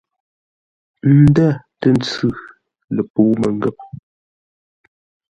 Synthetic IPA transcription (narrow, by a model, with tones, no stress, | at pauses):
n̩˦dæ˦˨ | tə˦˨n˦t͡sʉ˦˨ | lə˨poː˨˦mə˨ŋ˦ɡɛ˦˨p̚